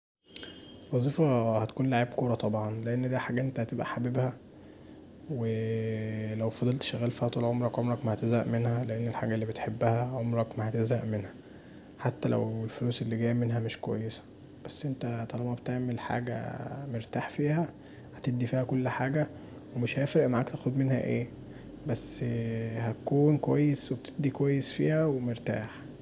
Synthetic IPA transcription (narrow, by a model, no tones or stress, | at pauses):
lwɑzˤiːfɑhæt̪æ̥kuːnlaʕiːbkoːɾˤɑt̪ˤɑbʕɑnleʔenːd̪æħaːɡæʔent̪æhæt̪ebʔæħabebhæ | we | læwfɑd̪ˤelt̪ʃæɣːæːlfiːhæt̪ˤuːlʕomɾˤɑkʕomɾˤɑkmæhæt̪ezhæʔmenhæleʔenːelħaːɡælːiːbet̪ħebːæhæʕomɾˤɑkmæhæt̪ezhæʔmenhæ | ħat̪ːælʔæ̰welfoluːselːiɡæːjmenɦæmeʃkowæ̰jːesæ̥ | b̥æsːʔent̪æt̪ˤɑlɑbɑbet̪eʕmelħa̰ːɡæ̰meɾt̪aːħfiːhæ | hæt̪ed̪ːifiːhækolːħaːɡæ | wemeʃhæefɾeʔmaʕaːkt̪æːxod̪menhæ̰ʔeː | bæsːhæt̪ækuːnkowæjːesweb̚et̪ʰed̪ikowæjːesfḭːhæwemeɾt̪a̰ːħ